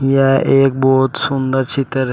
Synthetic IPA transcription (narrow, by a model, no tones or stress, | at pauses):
jɛʔeːk̚bɔːt̪sund̪əɾt͡ʃit̪əɾ